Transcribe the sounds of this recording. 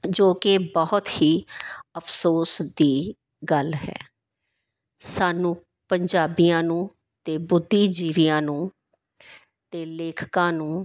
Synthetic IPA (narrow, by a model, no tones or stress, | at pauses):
d͡ʒoːkɪbɔɦʊt̪hiːəpʰsoːsd̪iː | ɡəlɦɛ̰ː | saːnũː | pəɲd͡ʒaːbijãːnũː | t̪eːbʊd̪ʱːiːd͡ʒiːʋijãːnũː | t̪eːleːkʰkãːnũː